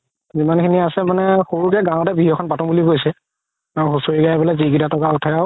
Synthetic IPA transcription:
zimankʰiniasɛmanɛxoɹukɛɡãw̃ɔtɛbiɦiɔkʰɔnbatɔmbulikojsɛ | ãxusoɹiɡajbɔlaziɡitatɔkautʰajaʊ

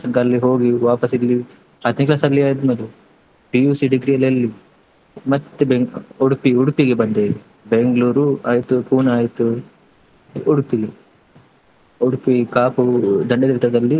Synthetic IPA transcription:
sɐŋkalːiɦo̞ːɡiʋaːpɐsilːi | ɐd̪niklasɐlːiaːjd̪mɐlu | bijuːsiɖiɡɾijɐlɐlːi | mɐt̪ːebeuɽupiuɽupiɡebɐnd̪e | beŋɡluːɾuaːjt̪upuːnaːjt̪u | uɽupili | uɽupikaːpud̪ɐɳɖɐd̪ɾt̪ɐd̪ɐlːi

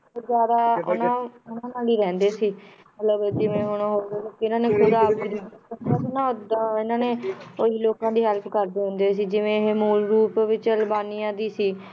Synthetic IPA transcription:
oːzjaːd̪aːʊ̰nãːʊnãːnaːliːɾɛ̃ːnd̪eːsiːmət̪ləbd͡ʒɪʋẽːɦʊñɦoːd̪ːloːkːɪnãːneːkʰʊd̪aːbɡɾiːəsnãːod̪ɪnãːneːoɦiːloːkãːd̪iːɦɛlpʰkəɾd̪eːɦʊ̃nd̪eːs̬iːd͡ʒɪʋẽːɦeːmuːlɾuːpʋɪt͡ʃəlbaːnijãːd̪iːsiː

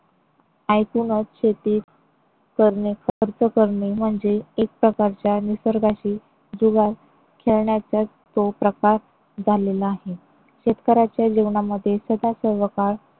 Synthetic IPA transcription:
ajkunət̪ɕet̪iːt̪ | kəɾɳekʰəɾt͡səkəɾɳem̤əɳd͡zeːk̚pɾəkaɾt͡ɕjanisəɾɡaɕiː | d͡zuɡal | kʰeɭɳjat͡ɕja | t͡sopɾəkaɾ | d͡zʱalelaaːɦe | ɕet̪kəɾat͡ɕjad͡ʑiʋɳaməd̪ʱːjesəd̪ʱasəɾʋəkaɾ

